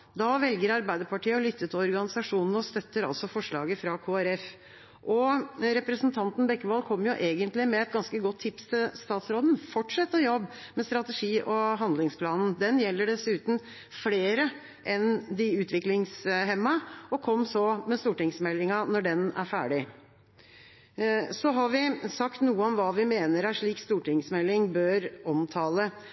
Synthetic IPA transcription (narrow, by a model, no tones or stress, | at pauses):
d̪ɑʋɛlɡəɾɑɾbæɪd̪əɾpʰɑʈʰiːəɔlʏt̪ːət̪ʰɔɾɡɑnɪsɑʂuːnn̩ɔst̪œt̪ːəɾɑ̰lsɔfɔʂɭɑ̰ːɡəfɾɑkʰoːæɾɛf | ʔɔɾɛpɾəsnt̪ʰɑnt̪n̩bɛkːəʋɑlkʰɔmːjʊʔeːɡənt̪lɪmɛɛt̪̚ɡɑnskəɡɔt̪ʰːɪpst̪ʰɪlst̪ɑːt̪sɾoːd̪n̩fɔʈʂɛt̪ːəjɔbːmɛst̪ɾɑt̪əʂiːʔɔɦɑnd̪lɪŋspʰlɑːnn̩d̪ɛnjɛlːəɖɛsʉːt̪n̩ | fleːɾə | ʔɛnd̪ɪʉːt̪ʰʋɪklɪŋsɦɛmːɑɔkʰɔmːsɔmɛst̪uːʈɪŋsmɛlːɪŋɑnɔɖɛnæ̰ɾfæ̰ːɖɪ | sɔɦɑɾʋɪsɑkt̪nuːəɔmʋɑːʋɪmeːnəɾæʂɭiːkst̪uːʈɪŋsmɛlːɪŋbøːɾɔmt̪ʰɑːlə